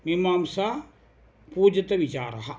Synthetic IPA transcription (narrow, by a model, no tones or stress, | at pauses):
nimaːmsa | puːd͡ʒɐt̪ɐʋit͡ʃa̰ːɾɐ̰ɦɐ